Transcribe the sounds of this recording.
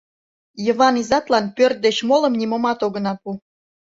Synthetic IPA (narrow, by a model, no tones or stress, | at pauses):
jə̆βɑnizɑt̪lɑnpørt̪̚d̪et͡ɕmolə̆mnʲimomɑt̪oɣə̆nɑpu